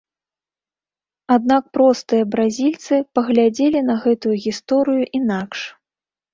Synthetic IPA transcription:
ad̪nak̚pɾɔst̪ɨjɐbɾazʲilʲt̪sɨpɐɣlʲad͡zʲelʲinɐɣɛt̪ujuɣʲist̪ɔɾɨjuʔinakʂ

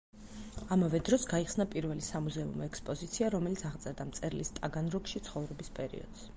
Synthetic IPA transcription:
amavɛd̪ɾɔsɡaiχsnapʼiɾvɛlisamuzɛṵmɔɛkspʼɔzit̪sʰiaɾɔmɛlit̪sʰaʁt̪sʼɛɾd̪amt̪sʼɛɾlḭst̪ʼaɡanɾɔkʃit̪sʰχɔvɾɛbispʼɛɾḭɔ̰d̪̥s

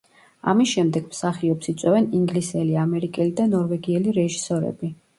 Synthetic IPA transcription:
a̰misʃɛmd̪ɛɡ̥msaχiɔpsit̪sʼwɛvɛniŋɡlisɛliamɛɾikʼɛlid̪anɔɾvɛɡiɛliɾɛʒisɔɾɛ̰bi

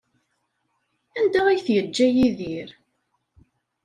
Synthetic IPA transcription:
ænd̪ææjθjəd͡ʒːæjiðiɾ

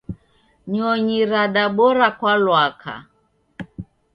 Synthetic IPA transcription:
ɲɔɲiɾaɗaɓɔɾakwalwakʰa̰

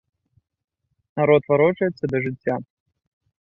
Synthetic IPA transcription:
naɾɔt̪vaɾɔt͡ʂɐjɛt̪sːɐd̪ɐʐɨt͡sʲːa

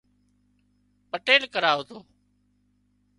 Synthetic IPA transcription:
pəʈeːlkəɾaːɦoːt̪oː

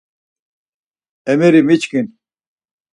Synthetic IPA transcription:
emiɾimit͡ɕkin

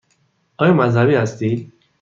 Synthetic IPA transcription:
ɒːjɒːmæzhæbiːhæst̪iːd̪

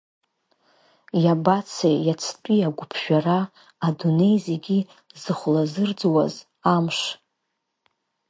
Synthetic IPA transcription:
jabat͡sʰejat͡sʰt͡pʼiaɡʷʊpʰʃᶣaraː | dune̞jzeɡʲi | zɨχʷlazɨrd͡zwa̰z | amʃ

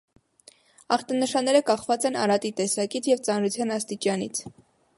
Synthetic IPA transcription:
ɑχt̪ɑnəʃɑnːɛɾəkɑχvɑt͡sɛnɑ̰ɾɑt̪it̪ɛsɑkit͡sʰjɛvt͡sɑnɾut͡sʰjɑnɑst̪it͡ʃɑnḭt͡sʰ

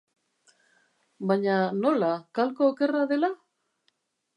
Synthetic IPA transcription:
baɲano̞lakalkoːke̞raðe̞la

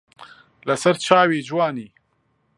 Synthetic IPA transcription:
lɐsɐɾt͡ʃaːwiːd͡ʒwaːniː

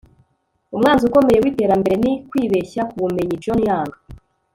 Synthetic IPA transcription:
umŋaːnziuko̞me̞je̞wite̞ːɾambe̞ɾe̞nikwiːβe̞çakuβume̞ɲid͡ʒonjaːŋɡa

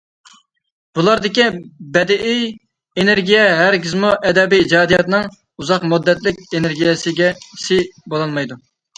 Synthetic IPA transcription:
b̥ulˠɑɾd̪ɪkʲibɛd̪ɪʔij | eneɾɡʲijɛɦæɾɡʲizmuʔɛd̪ɛbijːd͡ʒɑːd̪ijɑt̪nɨŋ | uzɑqmud̪ːɛt̪lɪkʲeneɾɡʲijɛsɪɡʲɛsɪbolˠɑlˠmɑjd̪u

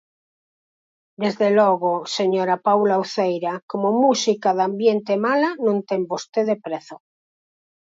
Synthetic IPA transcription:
d̪ezðeloɣoseɲoɾapawlawθejɾakomomusikaðambjent̪emalanõnt̪embost̪eðepɾeθo

